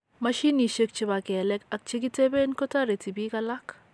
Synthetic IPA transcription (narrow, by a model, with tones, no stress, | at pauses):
ma˦ʃi˦ni˨ʃe˦k̚t͡ʃi˦ba˨kɛ˨lɛ˦ka˨k̚t͡ʃi˦ɡ̬i˦te˦be˦nko˦ta˦ɾe˨ti˨bi˦ka˦la˦k